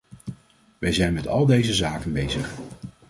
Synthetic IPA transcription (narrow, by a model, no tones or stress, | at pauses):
ʋɛjzɛjnmɛtɑ̰lˠdejzəzaːkənbejzəχ